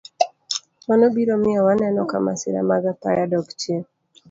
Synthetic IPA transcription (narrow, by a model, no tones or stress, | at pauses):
wanobiɾomɪawanɛnɔkamasɪ̰ɾa̰maɡapajadɔɡt͡ʃe